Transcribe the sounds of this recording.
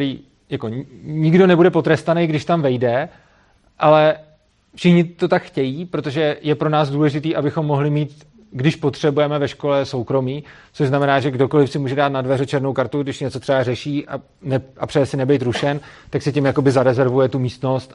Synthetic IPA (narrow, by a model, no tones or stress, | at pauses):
ɾiː | jako̞ɲɪɡdo̞nɛbudɛpo̞t̪ɾɛst̪anɛjɡdɪʃt̪amvɛjdɛ | ʔalɛ | fʃɪxɲɪt̪o̞t̪akxcɛjiːpɾot̪o̞ʒɛjɛpɾo̞naːzduːlɛʒɪt̪iːʔabɪxo̞mːo̞ɦlɪmiːt̪ | ɡdɪʃpo̞t̪r̥ɛbujɛmɛvɛʃko̞lɛso̞wkɾo̞miː | t͡soʒznamɛnaːʒɛɡdo̞ko̞lɪfsɪmuːʒɛdaːt̪̚nadvɛrɛt͡ʃɛɾno̞wkaɾt̪uɡdɪʃɲɛt͡sot̪r̥ɛbarɛʃiːʔa | nɛʔapr̥ɛjɛsɪnɛbɛjt̪ɾuʃɛn | t̪aksɪcɪmjako̞bɪzaɾɛzɛɾvujɛt̪umiːst̪no̞st̪